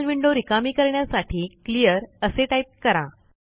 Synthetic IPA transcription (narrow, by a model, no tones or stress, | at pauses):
lʋiɳɖoɾikamiːkəɾɳjasaʈʰiːklijəɾəseʈaip̚kəɾa̰